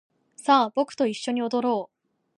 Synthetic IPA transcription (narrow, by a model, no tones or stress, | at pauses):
saːbo̞kɯ̟̥t̪o̞iɕːo̞ɲ̟io̞d̪o̞ɾo̞ː